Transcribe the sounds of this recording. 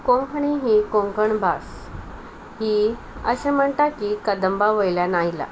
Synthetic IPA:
kõŋkɳiɦikõŋkəɳbʱas | ɦi | ə̰sẽm̤əɳt̪akikəd̪əmbaʋəjljanajla̰

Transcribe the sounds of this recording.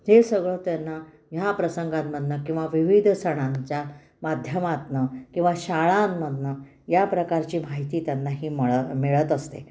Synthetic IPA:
d͡ʑesəɡɭot̪janːa | japɾəsəŋɡãmːəd̪ʱnəkĩw̃ʋaʋiʋid̪ʱsəɽ̃ãɲt͡ɕja | mad̪ʱjəmat̪nəkĩw̃ʋaɕaɭamːəd̪ʱnə | japɾəkaɾt͡ɕiːmaɦit̪iːt̪janːaɦiːmmeɭət̪əst̪ḛ

